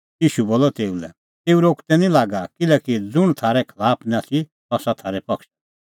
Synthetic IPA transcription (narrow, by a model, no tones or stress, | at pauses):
jiːʃuboːlɔt̪eːulɛ | t̪eːuɾoːkt̪ɛnĩlaːɡakɪlɛkid͡zʊɽ̃t̪ʰaːɾɛkʰɐlaːpʰnat̪ʰi | t̪ɔsat̪ʰaːɾɛpɐkʃ